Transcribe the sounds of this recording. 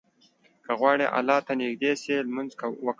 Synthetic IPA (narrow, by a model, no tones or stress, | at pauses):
kaɣwɑːɽeʔa̰lɑt̪anɪɡd̪eselmanzkwək